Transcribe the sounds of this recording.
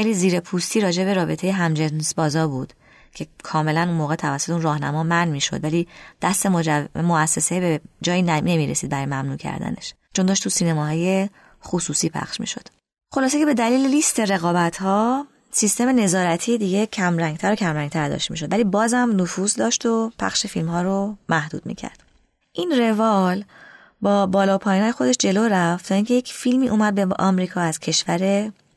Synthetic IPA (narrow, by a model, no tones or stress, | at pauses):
xeliːziːɾe̞pʰust̪ʰiːɾɒːd͡ʒe̞be̞ɾɒːbe̞t̪ʰejeɦæmd͡ʒensbɒːzɒːɾbud̪̥ | cʰe̞kʰɒːme̞lænunmoːɣet̪ʰævæsot̪eunrɒːhnæ̰mɒːmænmiːʃod̪vælid̪̥æst̪e̞moæsːesebed͡ʒɒːjiːnne̞miːɾesiːd̪bæɾɒːjemæmnuːcʰæ̰ɾd̪æ̰ne̞̰ʃ | t͡ʃʰo̞nd̪ɒːʃt̪ʰusiːnemɒːɦɒːje̞ | xosuːsiːpʰæ̰χʃmḭːʃo̞̰d̪̥ | xo̞lɒːse̞cʰebe̞d̪æliːlelist̪e̞ɾe̞ɣɒːbæt̪ʰhɒː | sist̪e̞me̞ne̞zɒːɾæt̪ʰiːed̪iɟe̞cʰæmɾæŋɡt̪ʰæɾocʰæmɾæŋɡt̪ʰæɾd̪ɒ̰ʃt̪miːʃo̞d̪væliːbɒːzhæmnofuːzd̪ɒːʃt̪o̞pʰæ̰χʃe̞filmhɒːɾomæhd̪ṵːd̪̚mḭcʰæ̰ɾd̪̥ | ʔinre̞vɒl | bɒːbɒːlɒːpʰɒːjinɒːjexo̞d̪e̞ʃd͡ʒe̞loɾæft̪ʰɒːiŋcʰe̞jecfilmiːʔuːmæd̪̚beʔɒmɾiːkʰɒːæz̥cʰe̞ʃvæɾe̞